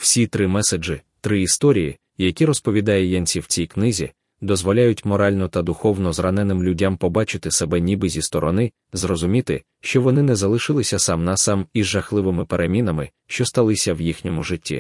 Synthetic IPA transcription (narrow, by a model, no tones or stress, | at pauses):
w̥sʲit̪ɾɪmɛsed͡ʒɪ | t̪ɾɪist̪ɔɾʲijḭ | jɐkʲiɾɔspɔʋʲid̪ɑjɛjɛnʲt͡sʲiwt͡sʲijknɪzʲḭ | d̪ɔzʋɔlʲajʊtʲmɔɾɑlʲnɔt̪ɐd̪ʊxɔwnɔzrɐnɛnɪmlʲʊdʲampɔbɑt͡ʃɪt̪ɪsɛbɛnʲibɪzʲist̪ɔɾɔnɪ | zrɔzʊmʲit̪ɪ̰ | ʃt͡ʃɔʋɔnɪnɛzɐlˠɪʃɪlˠɪsʲɐsɑmnɐsɑmizʒɐxlˠɪʋɪmɪpeɾʔemʲin̪ɐmɪ | ʃt͡ʃɔst̪ɐlˠɪsʲɐwjixnʲɔmʊʒɪtʲːḭ